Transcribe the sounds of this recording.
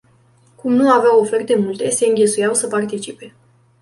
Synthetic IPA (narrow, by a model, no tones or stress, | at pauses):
kumnuaveawo̞fe̞rt̪̚d̪e̞mult̪e̞se̞ɨŋɡʲe̞sujawsəpart̪it͡ʃipe̞